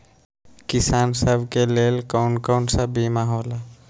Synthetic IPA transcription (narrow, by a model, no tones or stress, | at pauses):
kisaːnsəbʱkelelkawnkəwnsəbːimaɦola